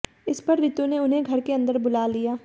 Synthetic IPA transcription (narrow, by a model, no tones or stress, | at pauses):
ɪspɐɾːɪt̪uneʊnɦẽɡʱɐɾkeɐ̃nd̪əɾbʊlaːlijaː